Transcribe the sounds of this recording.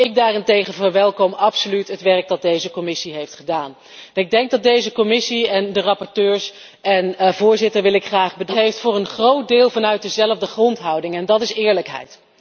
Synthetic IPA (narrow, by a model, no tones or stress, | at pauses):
ɪɡ̚daːrɪntejχənvəɹʋɛlˠkɔmɑpsolytɦətʋɛɹk̚dɑt̚dejzəkɔmɪsiɦejftχədaːn | nɪɡ̚dɛŋk̚dɑt̚dejzəkɔmɪsiɛndərɑpɔɹtøːɹs | ɛnvʊːɹzɪtəɹʋɪlɪkχraːχbədɦejftfʊːɹənχrowt̚dɪːlˠvɑnœɥt̚dəzɛləvdəχrɔntɦɑwdɪŋɛndɑtɪsɪːɹləkɦɛ̰jt